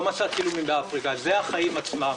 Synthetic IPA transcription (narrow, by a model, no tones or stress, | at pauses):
masat̪kilumimbeafʁikazeaχaimat͡smam